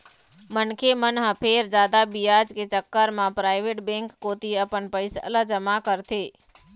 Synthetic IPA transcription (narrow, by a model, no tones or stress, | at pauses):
mənkʰemənɦəpʰeːɾd͡ʒaːd̪abijad͡ʒket͡ʃəkːəɾmãpɾaːɪʋeʈbẽŋkːoːt̪iəpənpəɪsə̰ləd͡ʒəmakəɾt̪ʰeː